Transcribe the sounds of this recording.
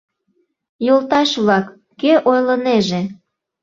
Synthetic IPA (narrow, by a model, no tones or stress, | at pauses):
jolt̪ɑʃβlɑkː | eʔojləneʒe